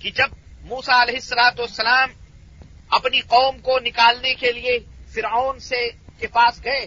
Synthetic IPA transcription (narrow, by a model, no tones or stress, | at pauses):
kid͡ʒɐb̚muːsaɐlɛɦɪsːɐlaːt̪uɐsːɐlaːm | ɐpniqɔːmkonɪkaːlnekeliefɪɾaːnsekepaːsɡɐeː